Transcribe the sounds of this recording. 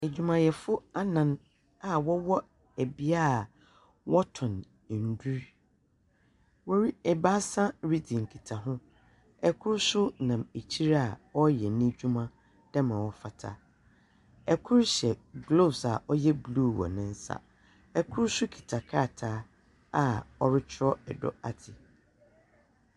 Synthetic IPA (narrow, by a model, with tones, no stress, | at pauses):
e˨d͡ʑᶣu˨mã˨jɛ˨fʊ˦a˦nã˨n | a˨wɔ˦wɔ˦ | æ˨bi˦a˦˨ | wɔ˦tʰʊ̃˨n˨ | n̩˨du˦ɾ | wɔ˦ɾi˦ɛ˨ba˦sã˦ɾi˦dĩ˨ŋ̩˨kʰi˨tʰa˨ɦʊ̃˦ | ɛ˨kʰʊ˦ɾsʊ˦nã˨me˨t͡ɕʰi˦ɾa˦a˨ɔ˦jɛ˨nĩ˦d͡ʑᶣu˦mã˦ | d̥ã˦mã˨wɔ˦fa˨tʰa̰˦ | ɛ˨kʰʊ˦ɾɕɛ˨ɡlo˦˨bsa˨ʔɔ˦jɛ˦blu˦˨wɔ̰˨nɪ̃˦n̩˦sa̰˨ | ɛ˨kʰʊ˦ɾsʊ˦kʰi̥˨tʰa˨kʰaː˦˨tʰaː˨˦ | a˨ɔ˦ɾɪ˦t͡ɕʰɪ˦ɾɔ˦ɛ̰˨dɔ̰˦a˨tʰɪ˨